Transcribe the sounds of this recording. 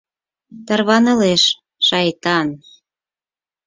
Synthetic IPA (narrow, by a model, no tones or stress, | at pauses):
t̪ɑrβɑnɤ̆leʃ | ʃɑjt̪ɑn